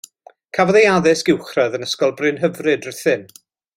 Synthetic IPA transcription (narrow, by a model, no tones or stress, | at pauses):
kʰavɔðejaðɪsɡ̥ɪwχraðənəskɔlˠbrɨnɦəvrɨdərθɪn